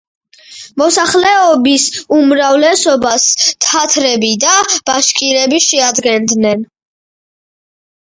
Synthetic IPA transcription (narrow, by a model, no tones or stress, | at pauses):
mɔsaχlɛɔbisumɾavlɛsɔbast̪ʰat̪ʰɾɛbid̪ab̥aʃkʼiɾɛbiʃɛad̪ɡɛnd̪nɛn